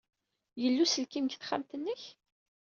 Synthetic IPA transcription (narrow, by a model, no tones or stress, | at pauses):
jəlːusəlkimɡθχa̰mt̪ənːəç